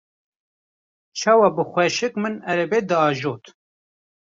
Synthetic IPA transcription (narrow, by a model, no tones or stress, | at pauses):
t͡ʃʰɑːwɑbɨxʷwɛʃɨkmɨnɛɾɛbeːd̪ɨɑːʒoːt̪